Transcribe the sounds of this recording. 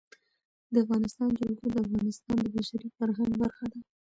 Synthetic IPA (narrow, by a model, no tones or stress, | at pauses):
d̪əafɣɑnɪst̪ɑnd͡ʒaɡunod̪əafɣɑnɪst̪ɑnd̪əbaʃaɾifaɾɦaŋɡbaɾxad̪a